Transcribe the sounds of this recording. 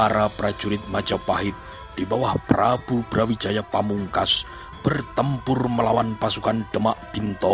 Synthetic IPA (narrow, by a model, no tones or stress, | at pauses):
aɾapɾad͡ʒuɾɪt̪̚mad͡ʒapaɦɪt̪̚ | d̥ibawahprab̥ubɾawid͡ʒajapamuŋkas | b̥ərt̪əmpʊrməlawanpasukand̥əmaʔb̥int̪ɔ